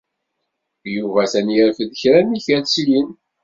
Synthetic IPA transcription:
juvæθæniɾfəðəçɾæniçæslin

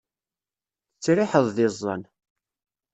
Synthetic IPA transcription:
θət͡sːɾɪħəðˤðɪzˤːə̰n

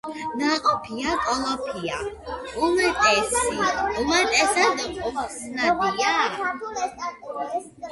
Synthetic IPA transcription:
naqʼɔpʰiakʼɔlɔpʰia | umɛt̪ʼɛsiumat̪ʼɛsad̪ɔχʼusnabia

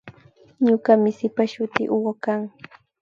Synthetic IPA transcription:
ɲʊkamɪsɪpaʃʊt̪ɪʔʊwakaŋ

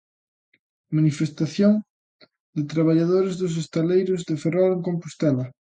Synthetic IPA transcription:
manifest̪aθjoŋ | d̪et̪ɾaβ̞aʎað̞oɾezðos̬est̪alejɾozðeferoleŋkompust̪ɛlɐ

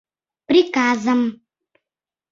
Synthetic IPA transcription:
pɾikaːzɐm

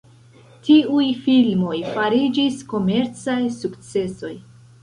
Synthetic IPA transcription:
tiujfilmo̞jfaɾid͡ʒisko̞me̞ɾt͡sajsukt͡se̞so̞j

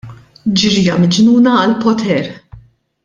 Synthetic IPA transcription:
d͡ʒɪɾɪjɐmɪd͡ʒnuːnɐːlpɔt̪ʰɛɾ

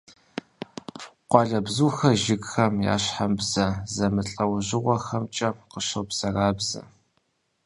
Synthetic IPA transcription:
qʷɑɮɐbzuːxɐʒɪɡxɐmja̰ːɕħambzɐzɐmɨɬʼɐwʑɪʁʷɔxɐmt͡ʃʼɐqəʃɐwbz̥ɐraːbzɐ̰

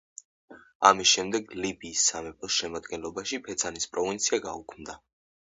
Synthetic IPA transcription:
amisʃɛmd̪ɛɡlibiːsːamɛpʰɔsʃɛmad̪ɡɛnlˠɔbaʃipʰɛt̪sʰanispʼɾɔvint̪sʰiaɡa̰ṵkʰmd̪a

